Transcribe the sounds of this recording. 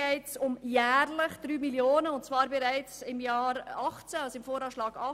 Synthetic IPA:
ɛɪt͡sʊmjæːɾləχd̪̥ɾyːmiljoːnəʊntt͡svɑːɾbɛɾæɪt͡sɪmjɑːɾɑχt͡sæalsɪmfoːɾɑːʃlɑːɡ̥ɑ

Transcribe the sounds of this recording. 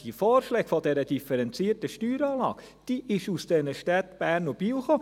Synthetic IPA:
d̥ifɔːrʃlɛːɡ̥fɔd̥ɛɾəd̥ifəɾɛnt͡siːərtəʃtyːɾɑːlɑ̰ːɡ̥ | d̥iʔɪʃusd̥ɛnəʃtɛt̪b̥æːnubilχo

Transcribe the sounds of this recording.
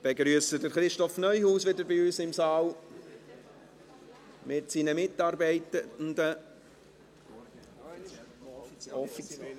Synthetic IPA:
b̥eɡɾyəsədəɾχɾɪʃtɔfnœʏhuːsʋɪdəɾbɪyːsɪmsɑːl | mɪtsinəmɪtːɑːɾbɛɪtəʊndə | ɔf

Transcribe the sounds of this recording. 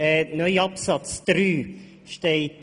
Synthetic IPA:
ɛnœʏɑpsɑt͡sd̪̥ɾyː | ʃteɪt

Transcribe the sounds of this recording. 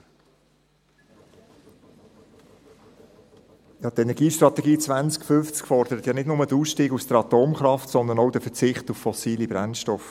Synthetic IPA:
jɑt̪ɛnɛɾɡiːʃtɾɑt̪ɛɡiːt͡svʋænt͡skfʏft͡skfɔɾd̥̪əɾət̪jɑnɪdnʊmədəuːsʃtiːɡusd̪̥əɾɑt̪oːmχɾɑftsɔnd̪ənɔʊd̥əfət͡sɪχtuffɔsiːlibɾænʃtɔf

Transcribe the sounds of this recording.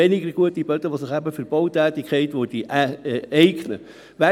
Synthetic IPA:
ɛnɪɡəɾɡ̥uətib̥œtəʋosɪχæbəfəɾb̥ɔwtæːtɪkʰχɛɪtʋod̥iʔɛɪɡnə̰ | ʋæ

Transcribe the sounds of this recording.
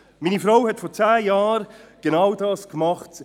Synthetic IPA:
miːnifɾaʊhɛtfɔɾt͡saːjɑːɾɡ̥enawdɑːskmɑχt

